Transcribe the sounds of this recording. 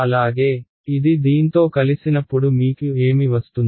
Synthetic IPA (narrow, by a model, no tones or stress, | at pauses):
ɐlaːɡe̞ː | id̪id̪iːnt̪o̞ːkɐlisinɐpːuɽumiːkue̞ːmiʋɐst̪und̪